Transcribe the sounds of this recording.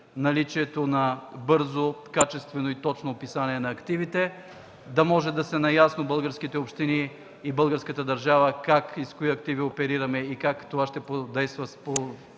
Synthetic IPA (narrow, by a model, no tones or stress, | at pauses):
nɐlit͡ʃiɛt̪onɐbɤɾzokat͡ʃɛst̪vɛnoit̪ɔt͡ʃnoːpisaniɛnɐːkt̪ivit̪ɛ | d̪ɐmɔʒɛd̪ɐsɛnɐjasnobɤlˠɡəɾsk̟it̪ɛopʃt̪iniː | bɤlˠɡəɾskət̪əd̪ɐɾʒavɐkakiskoiɐkt̪iviopɛɾiɾɐmɛikakt̪ovaʃt̪ɛpod̪ɛjst̪vɐspo